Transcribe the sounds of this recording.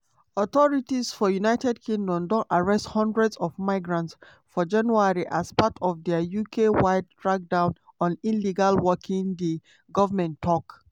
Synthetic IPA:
ɔtɔɹitisfɔjunaɪtɛdkʰĩŋdɔ̃mdɔ̃naɹɛsthɔ̃ndɹɛdsɔvmaɪɡɹãnts | fɔd͡ʒãnjuaɹiʔaspatʰɔvdɛəjukʰewaɪdtɹak̚dãʊ̃nɔ̃nĩnliɡalwɔkʰĩŋdi | ɡɔvamɛ̃ntʰːɔk

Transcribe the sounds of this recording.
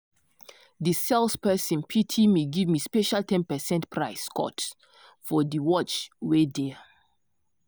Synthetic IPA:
disɛlspɛsĩnpʰitʰimeɡivmispɛʃaltʰɛ̃npɛsɛ̃ntpʰɹaɪskɔ̰t | fɔdiwɔt͡ʃwedɛ

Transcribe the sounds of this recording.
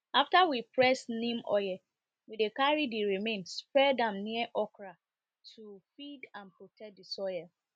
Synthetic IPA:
aftawipʰɹɛsnĩmɔ̰jɛ | widekaɹidiɹimẽnspɹɛdãmniɛʔɔkɹa | tʰufidãnpɹotʰɛk̚disɔjɛ

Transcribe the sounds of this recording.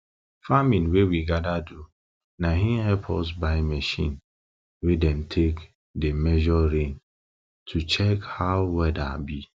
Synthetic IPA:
famĩnwewiɡadadu | naɦĩmɦɛpʰɔs̬baɪmɛʃĩn | wedɛmtʰek | demɛʒɔɾẽn | tʰut͡ʃɛkhaʊwɛdabi

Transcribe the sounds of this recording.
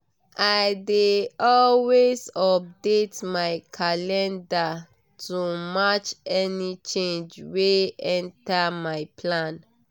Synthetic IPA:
ajdeɔlwezɔp̚detmajkʰalɛ̃nda | tʰumat͡ʃɛnit͡ʃẽnd͡ʒweɛ̃ntamaɪpʰlãn

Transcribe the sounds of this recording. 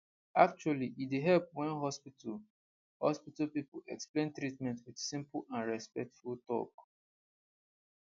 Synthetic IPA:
ak̚t͡ʃualiʔideɦɛlp̚wɛ̃nɦɔspita | hɔ̰spitalpipuɛksplẽntɹitmɛ̃ntwidsĩmpãnɹɛspɛk̚tfultɔ̰k

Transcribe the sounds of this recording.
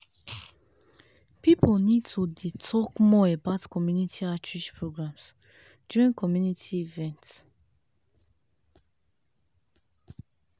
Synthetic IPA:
pipʰəlnid̚tʰudetʰɔkmɔəbaʊtkʰɔmjunitʰiat͡ʃʰɹiʃpʰɹoɡɹãms | d͡ʒuĩŋkʰɔmjunitʰiivɛ̃nt

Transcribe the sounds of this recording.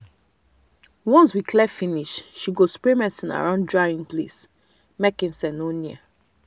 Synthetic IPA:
wɔ̃nswikʰlɛfĩniʃʃiɡospɹimɛ̃sĩna̰ɹãndɹaĩŋplḛs | mɛkĩnsɛ̃noniə

